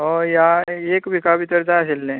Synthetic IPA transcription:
ɦojaekbʱikabit̪əɾd͡zaəselːẽ

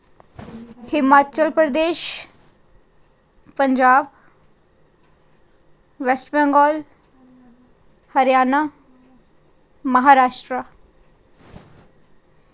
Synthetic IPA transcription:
hɪmaːt͡ʃəlpɾəd̪eːʃ | pəɲd͡ʒaːb | ʋɛsʈbɛ̃ŋɡɔːl | həɾjaːnaː | məɦaːɾaːʃʈɾaː

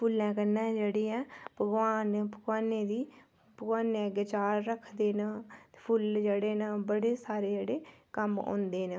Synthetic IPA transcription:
pʰʊlɛ̃ːkənːãːd͡ʒeːɽiːɛ̃ːpəɡʋaːnpəɡʋaːneːd̪iː | pəɡwaːneɛɡət͡ʃaːɾːəkʰd̪eːnaːt̪epʰʊld͡ʒeːɽeːnaːbəɽeːsaːɾeːd͡ʒeːɽeːkəmõ̰ːnd̪eːnː

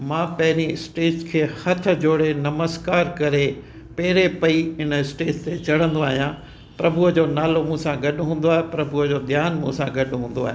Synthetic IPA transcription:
mãːpɐɦɪɾiɪsʈeːd͡ʑkʰeːhɐt̪ʰʊ̆d͡ʑoːɽenɐməskaːɾkɐɾe | peːɾepɐiɪnəɪsʈeːt͡ɕt̪et͡ɕɐɽ̤ə̃nd̪oaːɦijã | pɾɐbʊəd͡ʑoːnaːlomũːsãɡɐɗʊɦũːn̆d̪oaːɦepɾɐbʱʊəd͡ʑoːd̪ʱjaːnmũːsãɡɐɗʊɦũːn̆d̪oa̰ːɦe

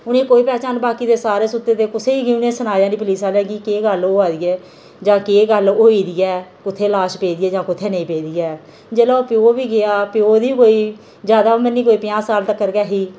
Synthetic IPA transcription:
ʊnẽːkoːiːpɛːt͡ʃaːnbaːkiːd̪eːsaːɾeːsʊt̪ːeːt̪eːkʊsʰeːiːɡiːʊnẽːsənaːjãːd̪iːp̬əliːsaːlɛːɡiːkeːɡəloːaːd̪iːɛː | d͡ʒãːkeːɡəloːiːd̪ijɛːkʊt̪ʰːeːlaːʃpeːd̪iːɛːd͡ʒãːkʊt̪ʰːeːnəĩːpeːd̪ijɛː | d͡ʒeːlaːoːpɪjoːbiːɡɪaːpɪjoːd̪iːkoːiː | d͡ʒjaːd̪aːmənːiːkoːiːpɪjãːsaːlt̪əkːəɾkɛːɦiː

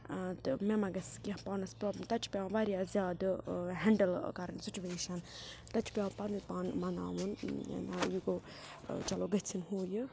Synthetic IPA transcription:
t̪ɨmemɐɡɐskipaːnɐspɾɔːblɐmt̪ɐt͡ʃʰpʲãːʋaːɾjaːzjaːd̪ɦɛɳɖəlkɐɾɐnsit͡ʃuʋeːʃɐnt̪ɐt͡ʃʰpʲjãːpɐnupaːnmɐna̰ːʋun̰najuɡoː | t͡ʃɐloːɡɐt͡sʰinɦoːjɨ

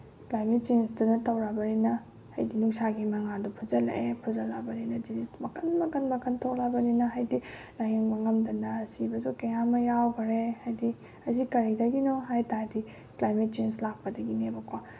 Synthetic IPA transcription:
klajmet̚t͡ʃensdunɐtɐwɾabɐninɐ | hɐ̰jdinuksaɡimɐŋadupʰuzɐlḛʔepʰuzɐlːabɐninɐdizistmɐkʰɐnmɐkɐnmɐkɐntʰok̚labɐninɐɦajdi | lajeŋbɐŋɐmdɐnɐːsibɐzukɐjamɐjawɡɐɾehajdi | ɐzikɐɾidɐɡinɔɦajtaɾdi | klajmet̚t͡ʃenslak̚pɐdɐɡinebɐkwa

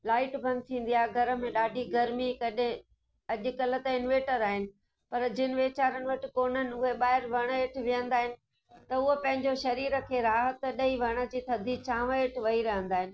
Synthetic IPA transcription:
laːɪʈbʱɐ̃nt̪ʰĩːn̆d̪ijaːɦɪɡʱɐɾə̆mẽɗaːɖʱiɡɐɾmikɐɗẽ | ɐʄʊ̆kɐlə̆t̪əɪnʋeːʈəɾaːɦɪnɪ̆ | pɐɾd͡ʑɪnɪʋeːt͡ɕaːɾəɽ̃̆ʋɐʈɪkoːnənɪ̆ʊɦeɓaːɦɪɾʋɐɽ̃əeːʈ̆ʰʋijə̃nd̪aːɦɪnɪ̆ | t̪ɐʊɦopɐ̃ɦɪ̃ɲd͡ʑoʃɐɾiːɾə̆kʰeːɾaːɦət̪ɗɐiʋɐɽ̃ə̆d͡ʑiːt̪ʰɐd̪ʱit͡ɕãːʋəeːʈʰʋɐiɾɐɦə̃nd̪aːɦɪnɪ

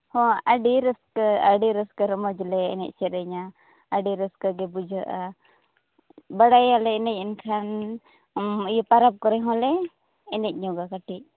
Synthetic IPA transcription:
hɔ̃aɖiɾəskəaɖiɾəskəɾəmɔd͡ʒlɛɛnɛ̰c̚ˀt͡ʃɛɾəɲaː | ɖiɾəskəɡɛbud͡ʒʱəʔa | bəɽajalɛɛnɛc̚ˀɛnkʰan | ijɔpaɾap̚kɔɾɛɦɔ̃lɛː | nɛc̚ˀɲɔ̃ɡakaʈic̚

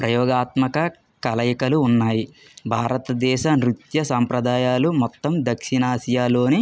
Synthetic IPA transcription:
pɾɐjɔːɡaːt̪mɐkɐ | kɐlɐjɐkɐluːnːaːji | bʱaːɾɐt̪ɐd̪ɛːʃɐnɾut̪jɐsaːmpɾɐd̪aːjaːlumɔt̪ːɐmd̪ɐkʂinaːsɐjaːlo̞ːni

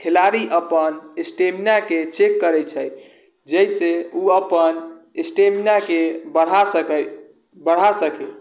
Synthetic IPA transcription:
kʰelaɾiʔəpənesʈemnaket͡ʃekːəɾɛt͡ʃʰəj | d͡ʒəjseuəpən | esʈemnakebəɽ̤asəkɛ | bəɽ̤asəke

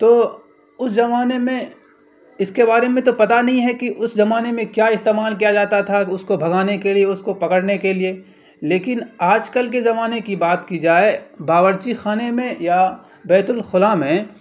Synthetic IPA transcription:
t̪oː | ʊszɐmaːnemẽ | ɪskebaːɾemẽt̪̬opɐt̪anɐɦĩɦɛkiʔʊszɐmaːnemẽkjaːɪst̪eːmaːlk̬ijad͡ʒaːt̪at̪ʰaʊskobʱɐɡaːnekelieʊskopɐkəɽnekelie | leːkɪnaːd͡ʒkəlk̬ezɐmaːnekibaːt̪kid͡ʒaːebaːʋəɾt͡ʃixaːnemẽja | bɛːt̪ʊlxʊlaːmẽ

